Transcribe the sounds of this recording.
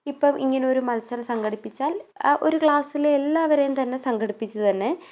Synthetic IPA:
ipːɐːmʔḭŋːɐneo̞ɾumɐlɐsɐɾɐmsɐŋɡɐɽipːit͡ɕːaːlo̞̰ɾukɭaːsilelːaːʋɐɾejumt̪ɐnːe̞sɐŋɡɐɽipːit͡ɕːut̪ɐnːe̞

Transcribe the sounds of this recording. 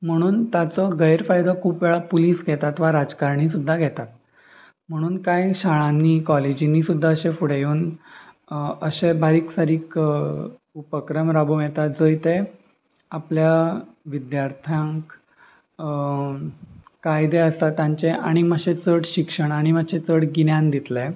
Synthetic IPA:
m̤əɽ̃uːnt̪at͡sɔɡəjɾfajd̪ʱɔkʰuːpʋeɭapuliːsɡʱɛt̪at̪ʋaɾad͡zkaɾɳiːsud̪ʱːaɡʱɛt̪at̪̚ | m̤əɽ̃uːnkajɕaɭãnːiːkɔled͡ʑinisud̪ʱːaəɕefuɽejuːn | əɕebaɾiːksaɾiːk | upəkɾəmɾabomjet̪at̪d͡zəjt̪e | apljaʋid̪jaɾt̪ʰjãŋk | kajd̪eəst̪at̪jãɲt͡ɕeʔa̰ɽ̃iməɕet͡səɽɕikʂəɳ̃aɽ̃imaɕet͡səɽɡinjãnd̪it̪le

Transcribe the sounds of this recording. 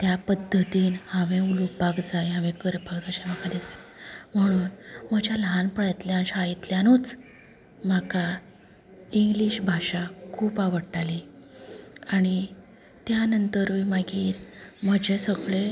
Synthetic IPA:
t̪japəd̪ʱːət̪iːnhãʋẽulupakd͡zajɦãʋẽkəɾpakd͡zaɕajm̤akad̪esam̤əɽ̃uːnm̤əd͡ʑjalɦanpəɽajt̪ljanɕait̪ljanuːt͡s | m̤aka | iŋɡliɕbʱaɕakʰuːpaʋəɽʈali | aɽ̃i | t̪janənt̪əɾʋimaɡiːɾm̤əd͡ʑesəɡɭe

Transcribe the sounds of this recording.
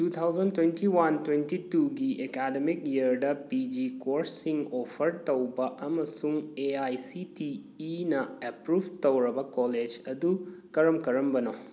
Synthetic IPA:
tut̪ʰawzɐntwentʰiwɐntwentituɡiʔekademik̚jiəɾdɐpid͡ʒikoɾsiŋopʰɐɾtowbɐʔɐmɐsuŋeajsitiː | nɐepɾubʱtowɾɐbɐkoled͡ʒɐdukɐɾɐmkɐɾɐmbɐno

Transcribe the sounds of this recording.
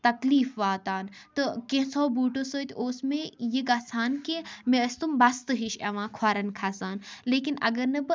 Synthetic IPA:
t̪ɐkliːfʋaːt̪aːnt̪ɨkẽɦsɔːbuːʈosoːt̪ʲoːsmẽjiɡaːsaːnkimẽɐst̪umbɐst̪ɨɦiʃɐʋãːkʰaːɾɐnkʰaːsaːnleːkinɐ̰ɡɐɾnɐbɨ

